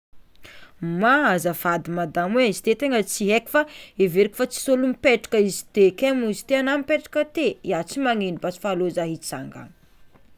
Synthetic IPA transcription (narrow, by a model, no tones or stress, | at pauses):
maazəfad̪imad̪amweizi̥t̪et̪eŋət͡siɦeki̥faeveɾikʲi̥fat͡si̥solumipeʈ͡ʂḁkəizi̥t̪ekemizi̥t̪eanamipeʈ͡ʂḁkət̪eiat͡simaŋinibat͡si̥falozaɦit͡sa̰ŋɡa̰ŋ